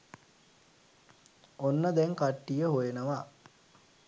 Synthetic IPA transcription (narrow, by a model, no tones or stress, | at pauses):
onːəd̪ɛŋkaʈːijəɦojenəʋa